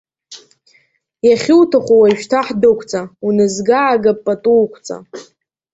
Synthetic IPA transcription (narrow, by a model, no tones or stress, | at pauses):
jaχʲɪwtʰaχʷowaʃᶣtʰaħdɨkʷʰʼt͡sʼaunɨzɡaːɡapʼːatʼuːkʷʰt͡sʼa̰